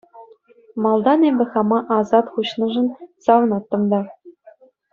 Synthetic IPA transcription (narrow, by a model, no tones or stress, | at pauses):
mɑlˠd̪ɑnebʲɘ̆χɑmɑʔɑzɑt̪χuɕnɤ̆ʐɤ̆nsɑʋɤ̆nɑt̪ːɤ̆md̪ɑ